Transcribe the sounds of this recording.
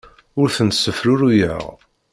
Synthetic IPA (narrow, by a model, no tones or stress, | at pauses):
ʊɾθənt̪sːəfɾʊɾujə̰ʁ